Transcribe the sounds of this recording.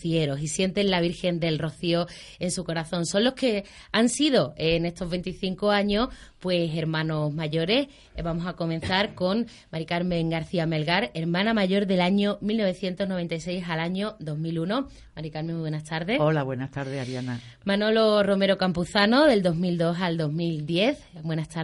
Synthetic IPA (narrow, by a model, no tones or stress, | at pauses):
θieɾo̞sisje̞nt̪e̞nlaβ̞iɾxe̞nd̪e̞lro̞θio | e̞nsuko̞ɾaθõ̞nso̞nlo̞hke̞ | ansiðo̞ene̞st̪o̞ɦβe̞nt̪iθiŋkoaɲo̞spwe̞se̞ɾmãno̞zmaʝo̞ɾe̞s | βamo̞sako̞mẽ̞n̟θaɾko̞ŋ | maɾikaɾmẽ̞ŋɡaɾθiame̞lɣaɾeɾmãnamaʝo̞ɾðe̞laɲomilno̞β̞e̞θje̞nt̪oɦno̞β̞e̞nt̪ajse̞jsalaɲoðo̞ɦmiluno̞ | maɾikaɾmeŋmuβwe̞nast̪aɾðe̞solaβwenast̪aɾðesaɾjana | mãno̞lo̞ro̞me̞ɾo̞kampuθano̞ðe̞ld̪o̞ɦmild̪o̞sald̪o̞ɦmild̪je̞θbwe̞nat̪a